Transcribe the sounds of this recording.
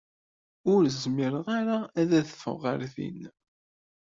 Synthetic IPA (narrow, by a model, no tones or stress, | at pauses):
ʊɾzmiɾəʁaɾaæðæθə̥fə̰ʁːəɾθḭn